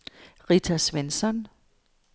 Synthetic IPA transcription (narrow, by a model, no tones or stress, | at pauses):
ʁit͡sʰæsʋensɒn